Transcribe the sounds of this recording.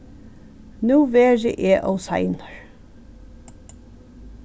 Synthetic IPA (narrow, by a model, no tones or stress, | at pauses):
nuːʋeːɹə̰ʔeːʔɔwsa̰jnɑ̥ɹ